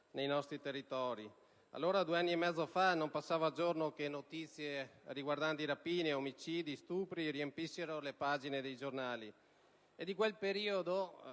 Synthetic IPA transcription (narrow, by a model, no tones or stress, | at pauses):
nejnɔst̪ɾit̪erːit̪ɔːɾi | a̰lːoːɾad̪ueanːiemːɛd̪zːofanompasːaːvad͡ʒornokenːot̪it̪sːjeriɡward̪ant̪iɾapiːneomit͡ʃiːd̪ist̪uːpɾiɾiempisːeɾolepaːd͡ʒined̪ejd͡ʒornaːli | ed̪ik̬welpeɾiːod̪o